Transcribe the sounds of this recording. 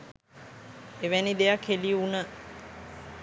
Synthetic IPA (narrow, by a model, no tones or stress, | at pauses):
eʋænid̪ejakʰeliunə